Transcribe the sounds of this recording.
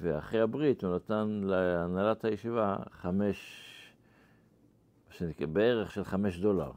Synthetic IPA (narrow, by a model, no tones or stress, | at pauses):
veaχʁehabʁit̪unat̪anleanalathajeʃivaχameʃ | maʃenikebeeʁe̞χʃelχame̞ʃdo̞la̰ʁ